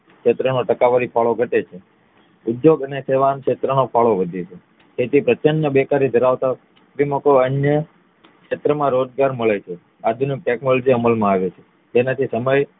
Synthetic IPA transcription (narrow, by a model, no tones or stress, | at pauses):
kʃet̪ɾənoʈəkaʋaɾipʰaɭoɡʱəʈet͡ʃʰe | ud̪joɡəneseʋamkʃet̪ɾənopʰaɭoʋəd̪ʱet͡ʃʰe | kʰet̪ipɾət͡ʃənjəbekaɾid̪ʱəɾaʋt̪a | kɾimokoənjə | kʃet̪ɾəmãɾod͡ʒɡaɾməɭet͡ʃʰe | ad̪ʱunik̚ʈeknolod͡ʒiəməlmãaʋet͡ʃʰe̥ | d͡ʒenat̪ʰisəməj